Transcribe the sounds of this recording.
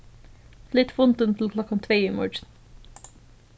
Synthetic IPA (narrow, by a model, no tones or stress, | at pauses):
lɪt̪fʊnt̪ʉnt̪ʰl̩kʰlɔkɑmt̪ʰʋeːɪmɔ̰ɹʈn